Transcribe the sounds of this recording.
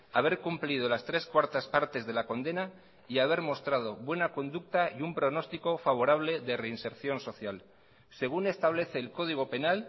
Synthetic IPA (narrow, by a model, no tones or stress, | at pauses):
aβe̞ɾkumplið̞o̞last̪ɾe̞skwaɾt̪aspaɾt̪e̞zðe̞lako̞nd̪e̞na | iaβ̞e̞ɾmo̞st̪ɾaðo̞βwe̞nako̞nd̪uk̚t̪aiumpɾo̞no̞st̪iko̞faβ̞o̞ɾaβ̞le̞ðe̞re̞inse̞ɾθjo̞nso̞θjal | se̞ɣ̞une̞st̪aβ̞le̞θe̞ːlko̞ðiɣ̞o̞pe̞nal